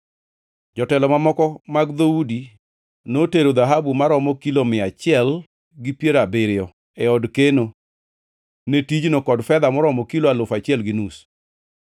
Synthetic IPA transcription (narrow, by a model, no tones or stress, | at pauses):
d͡ʒɔtɛlɔmamɔkɔmaɡd̪oudi | noteɾod̪aɦabumaɾɔmɔkilomɪat͡ʃɪɛl | ɡɪpjeɾabeɾɪɔ | ɛɔdkeno | netid͡ʒnokɔdfɛd̪amɔɾɔmɔkiloalʊfat͡ʃɪɛlɡɪnus